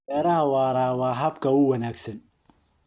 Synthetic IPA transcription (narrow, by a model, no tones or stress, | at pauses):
ɛːɾɐɦɐwɑːɾaːwɑːɦɐbkʰɐʊwɐnaːɡsɐn